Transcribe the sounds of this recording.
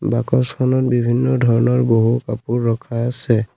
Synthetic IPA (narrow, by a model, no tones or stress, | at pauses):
bakɔskʰɔnɔt̚bibʱinːɔdʱɔɹɔnɔɹboɦukapuɹːɔkʰaːsɛ